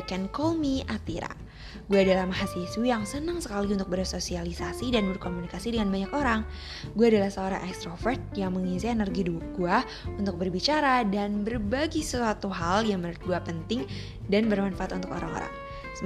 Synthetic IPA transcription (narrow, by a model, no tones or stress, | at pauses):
kɛnkɔlmiʔat̪iɾa̰ | ɡuaːdalahmaɦasisujaŋsənəŋsəkaliunt̪ʊk̚bərsosialisasidanbərkomunikasidəŋanbaɲakoɾaŋ | ɡuaːdalahsəoɾa̰ŋʔɛkst̪ɾofɛrt̪̚jaŋməŋinsiɛnərɡiduk̚ɡua | unt̪ʊk̚bərbit͡ʃaɾadanbərbaɡisəsuat̪uɦaljaŋməɾat̪̚ɡuapənt̪ɪŋ | danbərmanfaat̪unt̪ʊ̥ko̰ɾaŋo̰ɾa̰ŋ | sə